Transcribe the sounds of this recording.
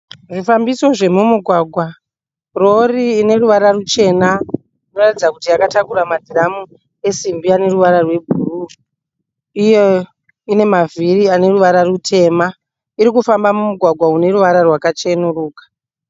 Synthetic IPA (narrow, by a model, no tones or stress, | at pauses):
ʐifambiso̞ʐe̞mumuɡʱwaɡʱwa | ro̞riːne̞ruʋaɾarut͡ʃe̞na | ino̞ratid͡zakutiakatakuɾamadʱiramu | e̞simbiane̞ruʋaɾarwe̞bʱuːru | ije | ine̞maviriane̞ruʋaɾarutʰe̞ːma | iɾikufambamumuɡʱwaɡʱwaune̞ruʋaɾarwakat͡ʃenuruːkḁ